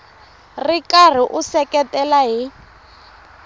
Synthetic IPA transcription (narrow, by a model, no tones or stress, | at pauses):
rikar̤iʔusɛkɛtʼɛlaɦi